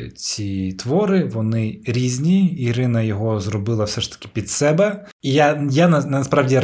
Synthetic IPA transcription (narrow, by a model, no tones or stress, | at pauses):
t͡sʲit̪ʋɔɾɪʋɔnɪɾʲizʲnʲiːɾɪnɐjɔɦɔzrɔbɪlˠɐwsɛʂt̪ɐ̥kʲɪ̥pʲid̪sɛbɛ | ijajanɐnɐspɾaʋdʲi